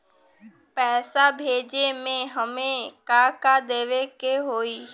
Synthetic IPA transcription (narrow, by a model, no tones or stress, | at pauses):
pɛːsabʱeːd͡ʒemẽɦəmẽkaːkad̪eːʋekeɦoːiː